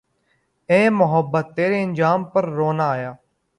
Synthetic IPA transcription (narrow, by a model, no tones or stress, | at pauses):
ẽːmʊɦəbːət̪ːeːɾeːənd͡ʒaːmpəɾːoːnaːaːjaː